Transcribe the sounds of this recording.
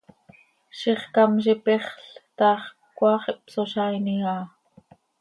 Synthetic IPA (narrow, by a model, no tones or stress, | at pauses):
ʃiχkɑmʃipiχɬt̪ɑːχ | kʷːɑːχiʔpsoʃɑjniɑː